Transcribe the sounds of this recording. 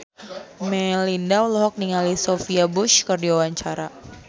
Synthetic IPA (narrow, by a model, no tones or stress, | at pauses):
mɛlindawlɔɦɔk̚niŋalisofiabʊʃkɨrdiwawaɲt͡ʃaɾa